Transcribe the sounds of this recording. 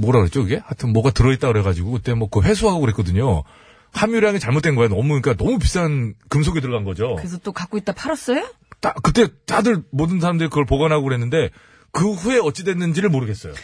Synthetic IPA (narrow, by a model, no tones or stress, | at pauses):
moɾaɯɾett͡ɕ͈oɯɡe̞hatʰɯmmwʌɡatɯɾʌit͈̚akɯɾe̞ɡad͡ʑiɡokɯt͈e̞mwʌkɯɸe̞s̬ʰuɦaɡoɡɯɾɦek͈ʌdɯɲo | hamjuɾjaŋit͡ɕaɭmot͈e̞nɡʌeonʌmuɲik͈anʌmupistʰaankɯmsʰoɡedɯɭɡanɡʌd͡ʑoɯes̬ʰʌt͈okak͈oit̚t͈apʰaɾʌs͈ʌjo | t͈akɯt͈e̞t͈adɯɭmodɯnsʰaɾamdɯɾikɯɡʌɭpoɡanɦaɡoɡɯɾɦe̞nːɯnde̞ | kɯɸue̞ʌt͡ɕ͈idwe̞nːɯnd͡ʑiɾɯɭmoɾɯɡe̞s͈ʌjo̰